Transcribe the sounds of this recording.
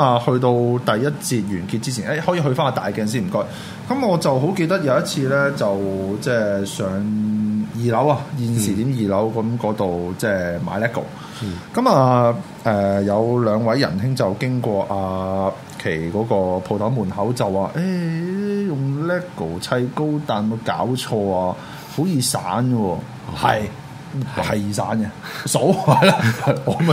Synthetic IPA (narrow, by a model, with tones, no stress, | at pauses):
a˨hɵ˧ɥt̪o˧wt̪ɐ˨jːɐ˥t̚t͡siː˧t̚jyː˨˩nkiː˧t̚t͡siː˥t͡sʰiː˨˩ne˥jhɔː˨˥jiː˧ɦɵ˧ɥfaː˥naː˧t̪aː˨jkɛː˧nsiː˥nm̩˨˩kɔ˥j | kɐ˨˥mɔː˨˧t͡sɐ˨wɦo˨˥wke˧jt̪ɐ˥k̚jɐ˨˧wjɐ˥t̚t͡sʰiː˧lɛː˥t͡sɐ˨wt͡sɛː˥˩sœː˨˧ŋjiː˨lɐ˨˥wa˧jiː˨˧nsiː˨t̪iː˨˥mjiː˨˩lɐ˨˥wkɐ˨˥mkɔː˨˧˥t̪o˨wt͡sɛː˥˩ma̰ː˨˧jlɛː˥kʰːo̰˨˩w | kɐ˨˦˥maː˧ | ʔɛː˨˩jɐ˨˧wlœː˨˧ŋwɐ˨˧˥jːɐ̰˨˩ntɪ˥ŋt͡sɐ˨˩wkɪ˥ŋkʷɔː˧ʔaː˧ | kʰe˨˩jkɔː˨˧˥kɔː˧pʰo˨˧wt̪ʰɐ˨˥wmuː˨˩nɦɐ˨˥wt͡sɐ˨˩wːaː˨˧ʔe˥ | jʊ˨˩ŋlɛː˥kʰːo˨˩wt͡sʰɐ˧jko˥wt̪aː˨nmo˨˧wkaː˨˥wt͡ʃʰɔː˧aː˧ | ho˨˥jiː˨˧saː˨˥nwɔː˧ | hɐ˨jʰ | ɐ˨˩jːsa̰ː˨˥nɛ˧so˨˥wa˨˩la˧˥ɐ˨˧km